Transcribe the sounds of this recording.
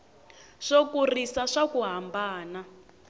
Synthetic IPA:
ʂokurisaʂakuɦambaːna

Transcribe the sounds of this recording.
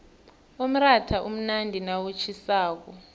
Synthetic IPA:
om̩ratʰaʔum̩nandʱinawut͡ʃʰisaːk̬ɔ

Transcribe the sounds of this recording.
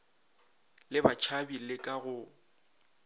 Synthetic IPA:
lɪbat͡ʃʰabilɪkʼaɣʊ

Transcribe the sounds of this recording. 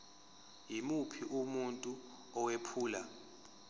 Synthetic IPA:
jimupʰiʔumuntʼu | ɔwepʰuːla

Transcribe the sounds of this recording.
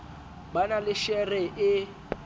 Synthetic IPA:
banalɪʃɛrɪʔɪ

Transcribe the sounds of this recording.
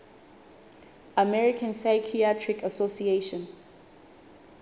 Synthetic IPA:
amɛɹikʰãnsaɪkʰiatʰɹikasosieʃɔ̃n

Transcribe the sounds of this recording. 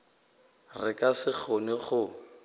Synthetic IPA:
rɪkʼasɪk͡xʰonɪχʊ

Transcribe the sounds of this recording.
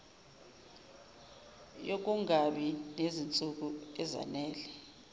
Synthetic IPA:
jok̬ʼuŋaɓinezint͡sʼuk̬uɛza̰nɛːlɛ

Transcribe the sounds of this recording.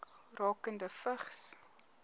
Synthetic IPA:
k | rɑːkəndəfəχs

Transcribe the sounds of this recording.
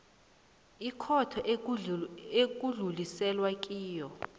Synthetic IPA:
ikʰɔtʰɔʔ | ek̬ʼuɮulisɛlwakʼiːjɔ

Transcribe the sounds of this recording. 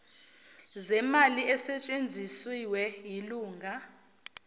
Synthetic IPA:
zɛmaliɛsɛt͡ʃʼend͡zʱisiwɛjiluːŋʱa

